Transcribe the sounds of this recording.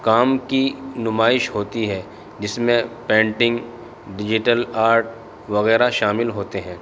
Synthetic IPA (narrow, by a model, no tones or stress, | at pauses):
kaːmkinʊmaːɪʃɦoːt̪iɦɛ | d͡ʒɪsmẽpɛ̃ːɳʈɪ̃ŋɡ | ɖɪd͡ʒɪʈəlaːɾʈ̚ | ʋɐɣɛːɾaʃaːmɪlɦoːt̪eɦɛ̃ː